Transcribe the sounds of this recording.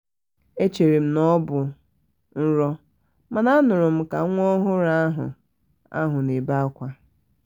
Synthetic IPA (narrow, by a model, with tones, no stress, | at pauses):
e˦t͡ʃe˨ɾi˨m̩˦nɔ˦bʊ˨ | n̩˦ɾɔ˦ | ma˨na˦nʊ˨ɾʊ˨m̩˦ka˨ŋʷ˦ɔ˦ɦʊ˦ɾa˦a˦ɦʊ̰˨ | a̰˦ɦʊ˨ne˨ba˦kʷa˦